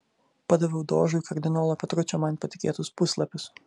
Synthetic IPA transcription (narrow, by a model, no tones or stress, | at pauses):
pɐd̪ɐʋʲɛʊd̪oːʒʊkɐɾʲd̪ʲɪnoːlˠɐpʲɛt̪ɾʊt͡ʃʲomɐnpɐt̪ʲɪkʲḛːt̪ʊspʊslˠɐpʲʊs